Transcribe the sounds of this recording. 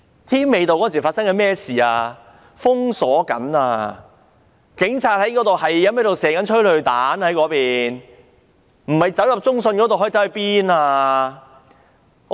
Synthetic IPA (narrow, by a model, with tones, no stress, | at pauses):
t̪ʰiː˥mme˨˧jt̪o˨wkɔ˨˦˥si˨˩faː˧tsɐ˥ŋkɛ˧mɛː˥˩siː˨aː˧ | fʊ˥ŋsɔː˨˥kɐ̰˨˥naː˧ | kɪ˨˥ŋt͡sʰaː˧t̚hɐ˨˥jkɔː˨˥t̪o˨whɐ˨jːɐ˨˥mɐ˨˥to˨wsɛː˨˩kɐ˨˥nt͡ʃʰɵ˥ɥlɵ˨˧ɥt̪aː˨˥nhɐ˨˥jkɔː˨˥piː˨n | m̩˨˩hɐ˨jt͡sɐ˨˥wjɐ˨p̚t͡sʊ˥ŋsɵ˧nkɔ˨˥t̪o˨hɦɔ˨˥˨t͡sɐ˦˥ɐ˨jpiː˥naː˧